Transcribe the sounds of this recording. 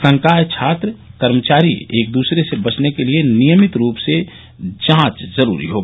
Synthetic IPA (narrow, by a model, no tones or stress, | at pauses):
sə̃ŋkaːjt͡ʃʰaːt̪ɾəkəɾmət͡ʃaːɾḭeːk̚d̪uːsɾesebət͡ʃnekelienijəmɪt̪ɾuːpse | d͡ʒãːt͡ʃzəɾṵːɾḭɦoː